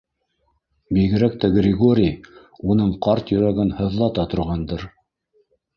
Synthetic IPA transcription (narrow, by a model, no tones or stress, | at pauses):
biɡɘ̆ɾæk̚t̪æɡrʲɪɡoɾʲij | unɤɴqɑɾt̪jɵ̆ɾæɡɘnhɤ̆ðlˠɑt̪ɑt̪ŏɾʁɑnd̪ɤɾ